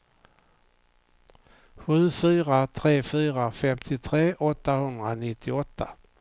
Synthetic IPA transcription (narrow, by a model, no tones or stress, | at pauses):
ɧʉ̟ːfyːɾat̪ʰɾeːfyːɾafɛmt̪ʰɪt̪ʰɾeːʔɔt̪ːahɵnd̪ɾanɪt̪ʰːɪɔt̪ʰːa